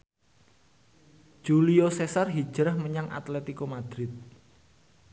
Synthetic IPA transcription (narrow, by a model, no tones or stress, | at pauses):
d̥ʒ̥uliosesarɦid̥ʒ̥ɾahməɲaŋʔa̰t̪let̪ikomad̪̥ɾɪt̪̚